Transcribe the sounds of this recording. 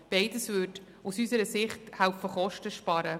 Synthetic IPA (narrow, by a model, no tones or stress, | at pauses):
b̥eɪdəsʋʏd | usysəɾəsɪχthæwfəχɔʃtəʃpɑɾə